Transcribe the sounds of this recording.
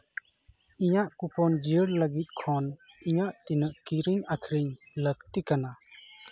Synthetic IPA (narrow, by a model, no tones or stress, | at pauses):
iɲaʔkupɔnd͡ʒiəɾlaɡit̪̚kʰɔn | iɲaʔt̪inəʔkiɾiŋakʰɾiŋ | lək̚t̪ikana